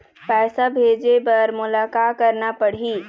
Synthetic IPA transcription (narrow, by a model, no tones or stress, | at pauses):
pɛɪsabʱed͡ʒebəɾmulakakəɾnapəɽ̤i